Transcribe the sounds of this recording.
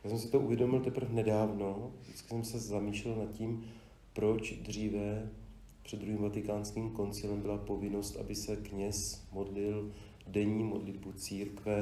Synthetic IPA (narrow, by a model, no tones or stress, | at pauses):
jjaːsɛmsɪt̪oʔuvjɛdo̞mɪlt̪ɛpr̩fnɛdaːvno̞vdɪt͡skɪ̥sɛmsɛzamiːʃlɛlnat̪ciːm | pɾo̞t͡ʃd̪r̝iːvɛ | pr̥ɛd̪d̪ɾuɦiːmvat̪ɪkaːnskiːmko̞nt͡sɪlɛmbɪlapo̞vɪno̞st̪ʔa̰bɪsɛkɲɛsmo̞dlɪl | dɛɲiːmo̞dlɪdbut͡siːɾkvɛ